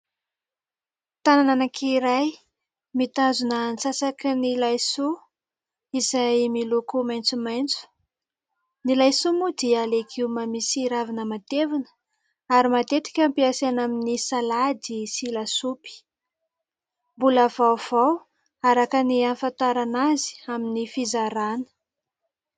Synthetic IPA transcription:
t̪anananakʰiɾaj | mit̪azunənt͡sasakinilajsu | izajmilukumajnt͡sumajnt͡su̥ | nilajsumud̪ialekʰiwmamisiɾavinəmat̪evinə̥ | aɾimat̪et̪i̥kʲampiasanaminisalad̪isilasupi̥ | mbulav̥awv̥aw | aɾakənianfant̪aɾanazi̥aminifizaɾanə̥

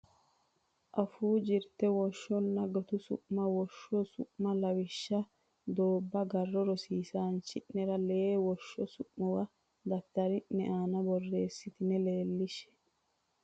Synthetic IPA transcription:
ʔɐfuːd͡ʒɪɾt̪ːɛwɔʃːɔnːɐɡɔt̪ʊsʊ̰ʔmɐwɔʃːɔsʊ̰ʔmːɐlɐwɪʃːɐ | d̪oːbːɐɡɐrːɔɾɔsiːsaːnt͡ʃːɪnːɛɾɐleːwɔʃːɔsʊʔmɔwɐ | d̪ɐt̪ːɐɾɪnːɛʔaːnɐbɔrːe̞ːsːɪt̪ɪnɛleːlːɪʃɛ̥

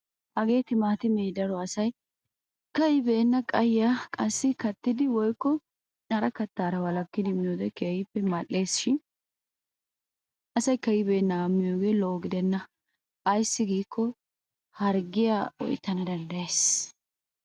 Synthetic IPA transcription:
ʔɐɡe̞ːt̪ɪmaːt̪ɪmɛd̪ɐɾɔɐsɐj | kɐjɪbeːnːɐkʼɐjːakʼɐsːɪkɐt̪ːɪd̪ɪwɔjkːɔ | nɐɾɐkɐt̪ːaːɾɐwɐlɐkːɪd̪ɪmɪjod̪ɛkeːjɪpːɛmɐle̞ːsʃɪn | ɐsɐjkɐjɪbe̞ːnːɐːmːɪjoːɡe̞ːlɔʔɔɡɪd̪ɛnːɐ | ʔɐjsːɪɡiːkʰːɔ | hɐɾɡɪjawɔ̰jt̪ːɐnɐd̪ɐnd̪ɐjeːs

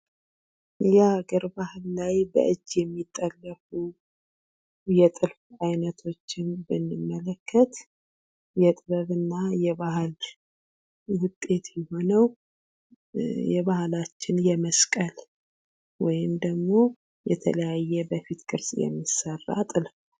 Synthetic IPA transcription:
jaaɡəɾbahlːajbə̰ʔɨd͡ʒːjɛmːit̪ʼːəlːəfu | jɛt̪ʼɨlfajnət̪ʰo̞t͡ʃːɪnbɨnːɨmːələkʰːət̪ | jɛt̪ʼβəβɨnːajɛβahl | wʊt̪ʼːe̞t̪jɛho̞nəw | jɛβahlat͡ʃːɪnjɛməskʼəl | wɔjɪmd̪əɡmo̞ | jɛ̰t̪ʰə̰ləjajːɛbəfit̪kʼɨɾsʼjɛ̰mːisərːa̰t̪ʼɨlf

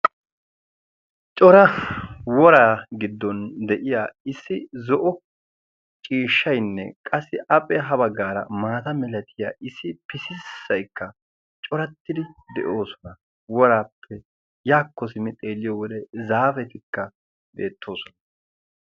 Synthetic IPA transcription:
t͡ʃʼɔɾɐwɔɾaːɡɪd̪ːɔnd̪ɛʔɪjaːɪsːɪzɔʔɔ | t͡ʃʼiːʃːɐjnːɛ̰kʼɐsːɪʔɐpʼɛɦɐbɐɡːaːɾɐ̰maːt̪ɐmɛlɐt̪ʰɪja̰ːʔɪsːɪpɪsɪsːɐjkːɐ | t͡ʃʼɔɾɐt̪ːɪd̪ɪd̪ɛ̰ʔo̞ːsɔ̥nɐ | wɔɾaːpʰːɛ | jaːkːɔsɪmɪt̪ʼe̞ːlːɪjɔwɔd̪ɛzaːfɛt̪ɪkːɐ | be̞ːt̪ːo̞ːsɔnɐ

